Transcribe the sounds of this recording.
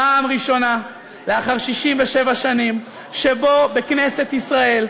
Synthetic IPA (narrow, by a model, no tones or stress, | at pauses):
aːmʁiʃo̞na | leaχaʁʃiʃimveʃe̞vaʃanim | ʃe̞bo̞be̞kne̞se̞t̪isʁae̞l